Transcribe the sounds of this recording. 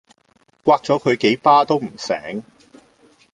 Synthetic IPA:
kʷaː˧k̚t͡sɔː˨˥kʰɵ˨˧ɥke˨˥jpaː˥t̪o˥wm̩˨˩sɛ̰ː˨˥ŋ

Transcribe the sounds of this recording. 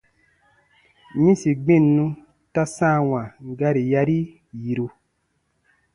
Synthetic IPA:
ɲĩ˦si˨ɡ͡bĩ˦˨nːũ˦ | ta˦sãː˦˨wã˨ŋ˨ɡa˧ɾi˨ja˧ɾi˦ | ji˨ɾu˧

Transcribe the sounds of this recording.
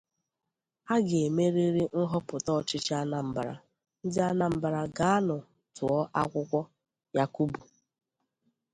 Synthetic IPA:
a˦ɡe˨me˦ɾi˦ɾi˦n̩˦ɦɔ˦pʊ˨tɔ˦˨t͡ʃɪ˦t͡ʃa˦na˨m̩˨ba˨ɾa̰˨ | n̩˦dɪ˦a˦na˨m̩˨ba˨ɾa˨ɡa˨˦a˦nʊ˨ | tʊ˨ɔ˦ʔa˦kʷʊ˦kʷɔ˦ | ja˦ku˦bu˨

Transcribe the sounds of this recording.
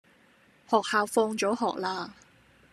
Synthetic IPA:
hɔː˨k̚haː˨˧wfɔː˧ŋt͡ʃɔː˨˥ɦɔː˨k̚laː˧

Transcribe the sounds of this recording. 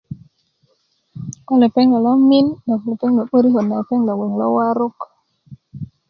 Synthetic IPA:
ko˦le˨pe˦ŋɡa˨lɔ˦mi˦ndɔ˨kle˨pe˦ŋɡə˨ɓə˦ɾi˦ɦo˨nːa˨pe˦ŋla˨we˨ŋlɔ̰˦wa˦ɾo˦k

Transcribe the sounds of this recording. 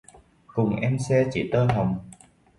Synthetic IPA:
kʊ˨˩ŋ͡mʔɛ˧msɛ˧t͡ɕi˧˩˦t̪əː˧nɦə˨˩wŋ͡m

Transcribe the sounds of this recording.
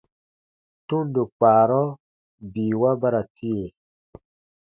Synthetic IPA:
tu˦ndo˨k͡paː˨ɾɔ˦ | bi˨wa˦ba˦ɾa˨tʰi˦e˨

